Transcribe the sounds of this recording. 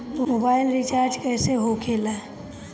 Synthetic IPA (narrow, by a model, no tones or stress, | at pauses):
mmobaɪlɾit͡ʃaɾd͡ʒkɛːseɦokʰela